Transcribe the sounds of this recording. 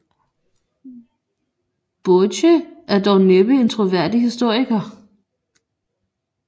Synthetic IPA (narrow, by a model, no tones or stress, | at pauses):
b̥ɔɕəæɐd̥ɒʊneb̥əe̝nt͡sʰʁoʋæɐ̰d̥ihisd̥o̝ɐ̰iɡ̥ɐ